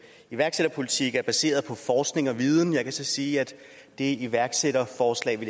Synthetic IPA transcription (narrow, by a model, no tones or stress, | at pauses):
iʋæɐɡ̥seɾ̥ɐpʰo̝lit͡sʰiɡ̥æɐb̥æse̝̰ːɐðˠpʰɒ̽fɒːsɡ̥ne̝ŋɒ̽ʋið̞ˠn̩jɑ̈ɪkʰæsɒ̽siːæd̥ | d̥e̝iʋæɐɡ̥seɾɐfɒːslɛ̰ːʋe